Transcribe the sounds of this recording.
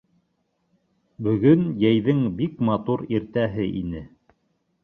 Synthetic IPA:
bɵ̆ɡɵnjæjðɘŋbikmɑt̪uɾiɾt̪æɦɘʔḭnɘ

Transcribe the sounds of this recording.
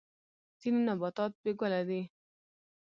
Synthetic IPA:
t̪ininɔbɔt̪ɔt̪̚beɡɔlad̪e

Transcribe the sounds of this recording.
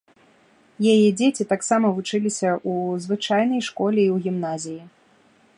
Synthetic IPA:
jajɛd͡zʲet͡sʲit̪aksamɐvut͡ʂɨlʲisʲɐʔuzvɨt͡ʂajn̪ɐjʂkɔlʲɛiwɣʲimn̪azʲiji

